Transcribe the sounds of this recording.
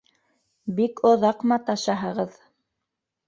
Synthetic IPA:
bikŏðɑqmɑt̪ɑʃɑɦɤ̆ʁɤð

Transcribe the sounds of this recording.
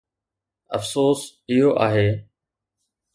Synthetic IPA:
ə̰fsoːsɪɦoːʔaːɦeː

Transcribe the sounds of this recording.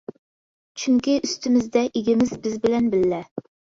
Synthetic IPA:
t͡ʃʰyŋkʲiʔyst̪ʰɪmɪzd̪ɛʔeɡʲɪmɪzbɪzbɪlɛnbɪlːɛ

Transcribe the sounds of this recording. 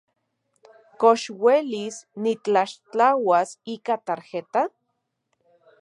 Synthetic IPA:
koʃwelisnit͡ɬaʃt͡ɬawasikat̪aɾxet̪a

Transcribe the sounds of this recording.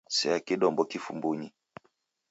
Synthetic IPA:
sɛakiɗɔmbɔkifumbuɲi

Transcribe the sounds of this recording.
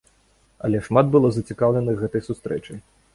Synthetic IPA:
ɐ̰lʲɛʂmad̪bɨlˠɔzɐt͡sʲikawlʲɛnɨxɣɛt̪ɐjsust̪ɾɛt͡ʂɨj

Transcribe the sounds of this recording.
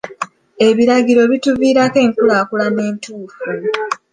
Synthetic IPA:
e̞βiɾaɡiɾo̞βituviːɾake̞ːŋkulaːkulane̞ːntʰuːfu

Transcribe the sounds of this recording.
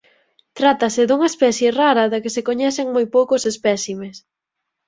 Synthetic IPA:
t̪ɾat̪ɐsɪd̪uŋɐespɛθjeraɾɐðɐkɪsekoɲɛθeŋmojpowkoʊsespɛsimes

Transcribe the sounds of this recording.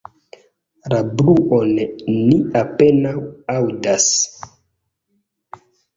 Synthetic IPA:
labluʔonniape̞nawawdas

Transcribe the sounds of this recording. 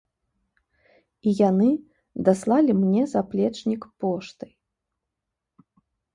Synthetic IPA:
ijanɨ | d̪aslˠalʲimnʲɛzaplʲɛt͡ʂnʲikpɔʂt̪ɨj

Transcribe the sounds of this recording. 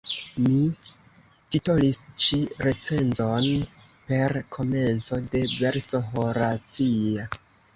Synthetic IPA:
mi | titolist͡ʃiɾe̞t͡se̞nzonpe̞ɾkʰo̞me̞nt͡so̞de̞ve̞ɾsoɦoɾat͡sia

